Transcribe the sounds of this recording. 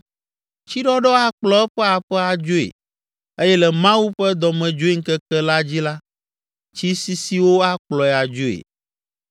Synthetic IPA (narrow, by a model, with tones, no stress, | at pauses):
t͡ɕi˦ɖɔ˦ɖɔ˦a˦k͡plɔ˦ɛ˦ɸɛ˦a˨ɸɛ˦a˨d͡ʒo˦ḛ˨ | e˦jɛ˦lɛ˨mã˦wu˦ɸɛ˦d̪ɔ˨mɛ̃˨d͡ʒo˦i˦ŋ̩˦kɛ˦kɛ˦la˦d͡ʑi˦la˦ | t͡ɕi˦si˦si˦wo˦a˦k͡plɔ˨ɛ˨a˨d͡ʒo˦ḛ˨